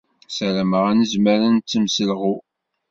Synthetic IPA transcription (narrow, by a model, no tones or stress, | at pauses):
sæɾæməʁænəzməɾənt͡sːəmsəlʁu